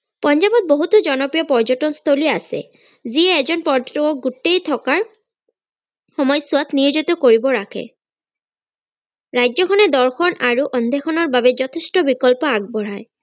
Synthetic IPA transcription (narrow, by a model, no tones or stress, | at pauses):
pɔnd͡ʒabɔt̪̚boɦut̪ud͡ʒɔnɔpɹijɔpɔɹd͡ʒɔtɔnst̪ʰoliasɛ̰ | ziɛːzɔnpɔɹd͡ʒɔtɔkɔk̚ɡutejt̪ʰɔkaɹ | xɔmɔjsʊat̪niɹzɔt̪ɔkoɹibɔɹakʰɛ̰ | ɹajd͡ʒzɔkʰɔnɛd̪ɔɹxɔnaɹuʔɔnd̪ʱɛxʰɔnɔɹbabɛzɔt̪ʰestɔbikɔlpɔaɡ̚bɔɹaj